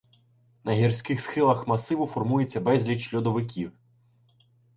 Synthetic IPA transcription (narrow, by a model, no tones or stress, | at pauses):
nɐɦʲirsʲkɪxsxɪlˠɐxmɐsɪʋʊfɔrmujet͡sʲːɐbɛzʲlʲiʃlʲɔd̪ɔʋɪkʲiw